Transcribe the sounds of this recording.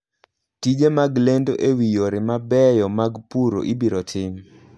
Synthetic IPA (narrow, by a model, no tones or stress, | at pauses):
tid͡ʒemaɡlendoʔewijoɾɪmabɛjɔmaɡpuɾo̰ʔibiɾotʰɪm